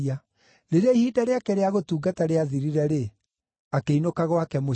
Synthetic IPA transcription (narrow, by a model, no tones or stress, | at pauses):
a | ɾeɾeihiːdaɾeakɛɾeaɣotuːɡataɾeaðiɾiɾɛɾe | akeinokaɣwakɛmo